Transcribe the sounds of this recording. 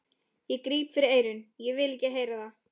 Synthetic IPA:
jɛkɾiːpfɪɾɪɾeːjɾʏnjɛvɪðlɪhcːɪɦeːjɾaða

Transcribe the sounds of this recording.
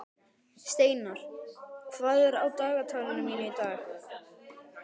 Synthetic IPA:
st̪eːjnaɾ̥kʰvaːðɛɾa̰ːwt̪aːɣat̪ʰaːlɪnʏmiːnɪit̪aːx

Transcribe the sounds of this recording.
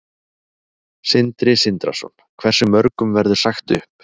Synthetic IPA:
sɪnt̪ɾɪsɪnt̪ɾa̰sɔ̰n | kʰvɛr̥sʏmːœɾkʏmvɛɾðʏ̥saxt̪ʏ̰hp

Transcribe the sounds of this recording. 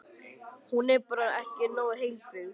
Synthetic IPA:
hunɛɾpaɾaɛhcɪnoːwhejlfʏɣ

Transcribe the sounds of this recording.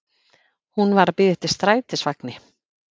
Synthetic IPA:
hunvaɾapɪðɪht̪ɪ̥st̪ɾaːjt̪ɪsvaknɪ

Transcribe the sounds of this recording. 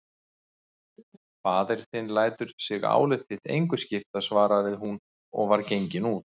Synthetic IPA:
faːðɛɾ̥θɪnlaːjt̪ʏɾ̥sɪɣa̰ːwlɪθɪht̪ḛjŋkʏscɪft̪asvaːɾavɪðɦun | ɔ̰ɣvaɾcejɲcɪnut̪

